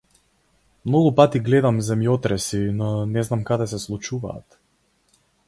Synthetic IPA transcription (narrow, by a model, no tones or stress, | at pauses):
mnɔɡupat̪iɡlɛd̪amzɛmjɔt̪ɾɛsinɔnɛznamkad̪ɛsɛslˠut͡ʃuva̰ːt̪